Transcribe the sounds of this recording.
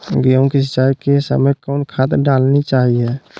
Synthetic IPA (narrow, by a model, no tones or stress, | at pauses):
ɡiəʊ̃kisɪt͡ʃaːɾkesə̰məjkɔʊnkʰat̪ɖalnit͡ʃaɦie